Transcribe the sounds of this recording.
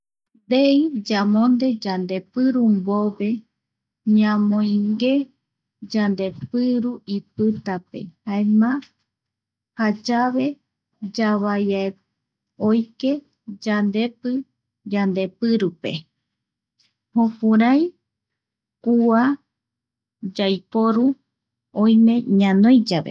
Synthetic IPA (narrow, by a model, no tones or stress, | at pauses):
d̪eid͡ʒamõnd̪e̞d͡ʒand̪e̞pɨɾumboβe̞ | ɲãmõj̃ŋɡe̞ | d͡ʒand̪e̞pɨɾuipɨt̪ape̞̰haemã | had͡ʒaβe̞ | d͡ʒaβajae | ojke̞ | d͡ʒand̪e̞pɨ | d͡ʒand̪e̞pɨɾupe̞̰ | hõpuɾaj | kua | d͡ʒajpoɾu | õj̃mẽ̞ɲãnõjd͡ʒaβḛ